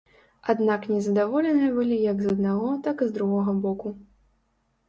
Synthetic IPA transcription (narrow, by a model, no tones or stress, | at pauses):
ad̪naknʲɛzɐd̪avɔlʲɛnɨjɐbɨlʲijɐɡzɐd̪̚naɣɔt̪akɨzd̪ɾuɣɔɣɐbɔku